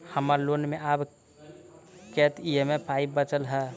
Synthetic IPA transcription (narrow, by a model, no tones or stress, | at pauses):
həməɾlonmeʔab | kɛt̪ʰiemepʰaibbət͡ʃəlɦə